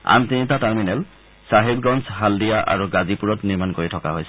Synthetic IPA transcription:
a̰mtinitataɹminɛl | saɦibɡɔnsɦaldijaʔa̰ɹuɡazipuɹɔtniɹmankoɹitʰɔkaɦojsɛ

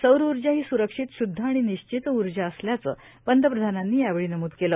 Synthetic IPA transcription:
səwɾuɾd͡ʑaɦiːsuɾəkʂit̪ɕud̪ʱːəaɽ̃iniɕt͡ɕit̪uɾd͡ʑaəsljat͡sə̰ː | pənd̪ʱəpɾəd̪ʱananːiːjaʋeɭiːnəmuːd̪keləː

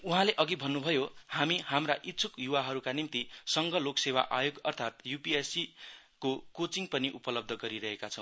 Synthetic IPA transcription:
uɦãleʔʌɡibʱʌnːubʱʌjohamihamraʔit̪ːt͡sʰukjuwaɦʌɾukanimt̪isʌŋɡʌloksewa̰ʔajoɡʌrt̪ʰat̪jupiesi | kokot͡siŋpʌniʔupʌlʌb̚d̪ʱʌɡʌɾiɾʌɦekat͡sʰʌ̃w̃

